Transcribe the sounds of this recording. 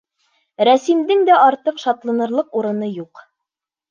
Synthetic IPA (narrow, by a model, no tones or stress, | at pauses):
ɾæsimd̪ɘŋd̪æʔɑɾt̪ɤqʃɑt̪lˠɑ̆nɤ̆ɾlˠɤquɾɤ̆nɤjuq